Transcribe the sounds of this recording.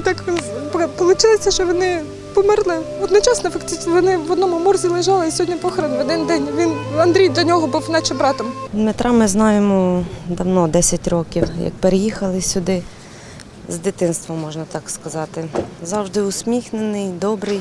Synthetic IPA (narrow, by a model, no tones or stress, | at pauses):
t̪ɑkʋʲinppɔlˠʊt͡ʃɪlˠesʲɐʃt͡ʃɔʋɔnɪ | pɔmɪrlˠɪɔd̪nʊt͡ʃɑsnɐfɐkt̪ɪt͡ʃ̪ʋɔnɪʋɔd̪nɔmʊmɔrzʲilˠɪʒɑlˠɪisʲɔɦɔdʲnʲɐpɔxɐɾɐnʋɔd̪ɪnd̪ɛnʲʋʲinɐnd̪ɾʲijd̪lʲɐnʲɔɦɔbuwnɑt͡ʃɪmbɾɑt̪ɔmmet̪ɾʔɑmɪznɑjemɔd̪ɐwnɔd̪ɛsʲɐtʲrɔkʲiwjɐ̰k̚peɾejixɐlˠɪsʲʊd̪ɪ | zd̪ɪt̪ɪnst̪ʋɔmːɔʒnɐt̪ɑkskɐzɑt̪ɪzɑwʒd̪ɪʊsʲmʲixnenɪjd̪ɔbɾɪj